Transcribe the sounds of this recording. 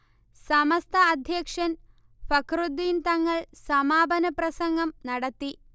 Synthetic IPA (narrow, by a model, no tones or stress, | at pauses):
sɐmɐst̪ʰɐːd̪ʱjɐkʂɐn | fɐkrud̪ːiːnt̪ɐŋːɐɭsɐmaːbɐnɐprɐsɐŋɡɐmnɐɽɐt̪ːi